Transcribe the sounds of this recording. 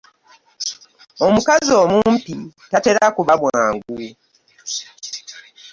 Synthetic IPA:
o̞mukazo̞ːmumpitate̞ɾakuβaβwaːŋɡu

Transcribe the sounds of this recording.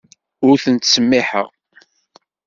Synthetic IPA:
ʊɾθənt̪səmːiħə̰ʁ

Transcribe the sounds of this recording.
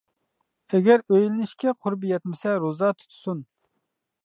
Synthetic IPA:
ɛɡʲɛɾøjlɪnɪʃkʲɛqʰʊɾbijɛt̪mɪsɛɾozɑt̪ʰu̥t̪ʰu̥sun

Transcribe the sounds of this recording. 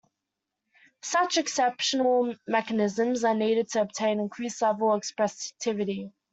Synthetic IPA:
sʌt͡ʃɛksɛpʃənəlˠmɛkənɪzə̃mzəniːɾɪd̚tʰəəb̚tʰẽɪ̃nɪ̃nkʰɹ̥iˑsavəlɛkspɹɛstʰɪvɪɾi

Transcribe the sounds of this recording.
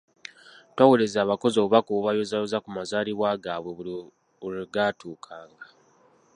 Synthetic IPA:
twawelezaːβako̞zo̞ːβuβakoβuβajozajozakumazaːliβwaːɡaːβwe | uliɡatuːkʰaːŋɡa

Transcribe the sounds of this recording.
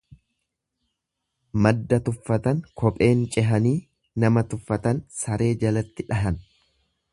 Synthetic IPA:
mɐd̪ːɐt̪ʊfːɐt̪ɐŋkɔpʼe̞ːnt͡ʃʼɛɦɐniː | nɐmɐt̪ʊfːɐt̪ɐnsɐɾe̞ːd͡ʒɐlɐt̪ːɪᶑɐɦɐn

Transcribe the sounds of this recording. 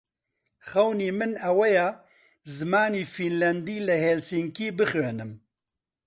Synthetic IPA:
xɐwniːmɨnɐwɛjaː | zɨmaːniːfinlɛnd̪iːlɨhelsiŋkiːbɨxeːnɨm

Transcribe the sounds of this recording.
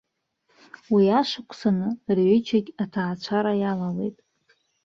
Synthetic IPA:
wiaʂakʷʰʼsanɨrʕʏt͡ʃʰaɡʲatʰaːt͡ʃʷʰaɾajalale̞̰jtʼ

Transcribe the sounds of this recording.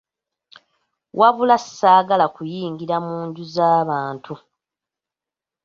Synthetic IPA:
wʔaβulasːaːɡalakujiːŋɡiɾamuːɲɟuzaːβaːntʰu

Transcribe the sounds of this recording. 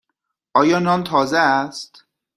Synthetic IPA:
ʔɒːjɒːnɒːnt̪ʰɒːzeæst̪

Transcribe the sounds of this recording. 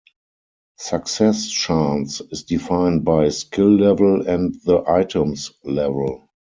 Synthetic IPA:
saksɛst͡ʃãnsɪsdifãɪ̃nd̚baɪskʰɪlːɛvəlɛ̃ntðəʔaɪtʰə̃mslɛvəl

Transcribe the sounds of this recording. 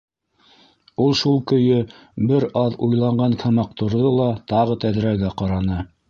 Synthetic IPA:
ulˠʃulˠkɵ̆jɵ | bɘɾɑðujlˠɑɴɢɑŋkʰæmɑq̚t̪ŏɾðɤlˠɑt̪ɑʁɤt̪æðɾæɡæqɑɾɑnɤ

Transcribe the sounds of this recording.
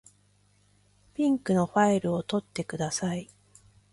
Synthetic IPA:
pʲĩŋkɯ̟no̞ɸaiɾɯ̟o̞t̪o̞t̪ːe̞kɯ̟d̪asai

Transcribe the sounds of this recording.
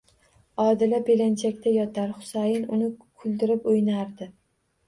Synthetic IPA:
ɒd̪ɪlabelant͡ʃʰakʲt̪ʰajɒt̪ʰaɾχʊ̥sajɪnʊnɪkʰʊlˠd̪ɪɾɪpʊjnaɾd̪ɪ

